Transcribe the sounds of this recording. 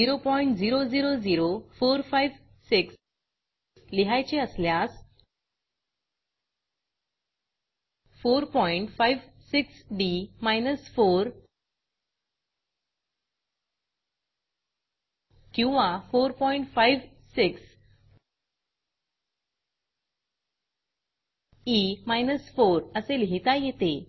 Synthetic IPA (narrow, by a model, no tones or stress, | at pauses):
iɾopɔiɳʈd͡ziɾod͡ziɾod͡ziɾofoɾfajʋ | siks | liɦajt͡ɕeəsljas | foɾpɔiɳʈfajʋ | siksɖimajnəsfoɾ | kĩw̃ʋãfoɾpɔiɳʈfaiʋ | siks | imajnəsfoɾəselɦit̪ajet̪e